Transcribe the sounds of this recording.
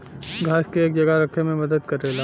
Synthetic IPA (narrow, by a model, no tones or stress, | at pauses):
ɡʱaːʃkeeːk̚d͡ʒɐɡaɾɐkʰemẽmɐd̪əd̪kɐɾːeːlaː